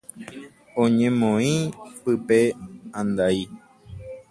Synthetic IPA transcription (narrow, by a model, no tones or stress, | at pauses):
õɲẽmõĩpɨpeãnd̪ai